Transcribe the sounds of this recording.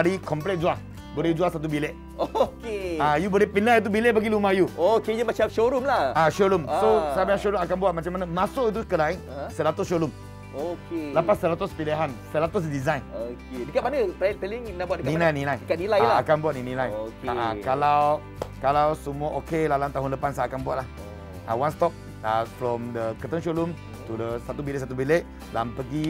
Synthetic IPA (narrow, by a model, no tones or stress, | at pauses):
aɾikɔmplɛt̪̚d͡ʒuah | bolɛd͡ʒuasat̪̬ubileʔ | okeajubɔlɛhpinait̪̬ubileʔbaɡilumahjuokejəmat͡ʃap̚ʃoɾumlaaʃoɾumsosajməãʃoɾumakanbuat̪̚mat͡ʃamanamãsʊʔit̪̬uskəlai | səɾat̪ʊsʃoɾum | okeləpasːəɾat̪ʊspileɦansəlat̪ʊs̬dizãjnokedəkat̚manətpəlɪŋmənahbuatdinilajnilajdkat̚nilajlaakanbuat̪̚ninilajokaakalaw | kalawsumuaʔokelalamt̪aɦʊnləpansaakanbuat̚lah | a̰wãnst̪ɔp̚ | afɾɔ̃mdəkət̪əŋʃolum | t̪udəsat̪ubileʔs̬at̪ubileʔ | lampəɡi